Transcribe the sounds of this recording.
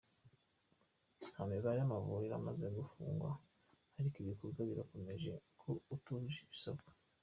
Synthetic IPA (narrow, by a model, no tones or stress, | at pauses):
hameβaɾejamavuɾiɾa̰maze̞ɡufṵːŋɡwa̰ | haɾikiβikoɾɡaβiɾako̞me̞ʒe̞̰kʰoutuʒiisobɡḁ